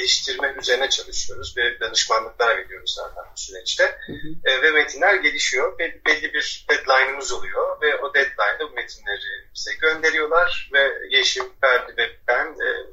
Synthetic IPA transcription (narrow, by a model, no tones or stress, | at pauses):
elʲiʃt̪ʰiɾmɛyze̞ɾinɛt͡ʃʰalˠɯʃɯjo̞ɾuzbiɾd̪anɯʃmanːˠɯklˠaɾabeɾijo̞ɾuzza̰ːt̪ʰænbusyɾɛt͡ʃt̪ɛvɛmet̪ʰinlʲæɾɟe̞lʲiʃijo̞bɛbɛlʲːibiɾ̥d̪̥ɛd̪lˠajnɯmɯzolˠujo̞vɛʔo̞d̪ɛd̪lˠajnd̪abumet̪ʰinlʲeɾimyselʲiɟø̞nd̪e̞ɾijo̞lˠaɾ̥vɛɟeʃimbæɾd̪ivɛp̚t̪æn̰ː